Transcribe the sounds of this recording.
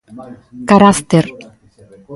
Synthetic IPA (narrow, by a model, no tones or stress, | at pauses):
kaɾast̪eɾ